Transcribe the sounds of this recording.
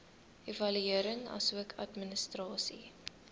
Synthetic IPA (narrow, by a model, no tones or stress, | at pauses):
evɐlyiəɾəŋɐ̰suəkʰɐ̰tmənəstrɑːsi